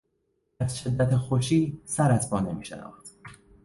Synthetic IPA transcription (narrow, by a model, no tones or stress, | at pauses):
æzʃe̞d̪ːæt̪ʰexoʃiːsæɾæzpʰɒːnemiːʃḛnɒ̰ːxt̪